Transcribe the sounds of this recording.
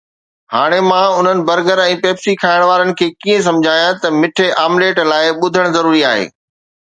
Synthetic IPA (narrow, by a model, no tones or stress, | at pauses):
haːɽ̃emãʊn̤ənɪ̆bɐɾɡəɾɛ̃ːpeːbsikʰaːɪɽ̃ʋaːɾənɪ̆kʰeːkiːẽs̬ɐ̃md͡ʑʱaːjãt̪ɐmɪʈʰeʔaːmleːʈlaːɪɓʊd̪ʱəɽ̃zɐɾuːɾiaːɦḛː